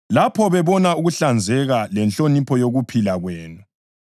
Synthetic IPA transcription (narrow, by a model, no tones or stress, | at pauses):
lapʰɔβɛβɔnauɣuɬand͡zʱɛɣalɛnt͡ɬʼonipʰɔjoɣupʰilaɣweːnu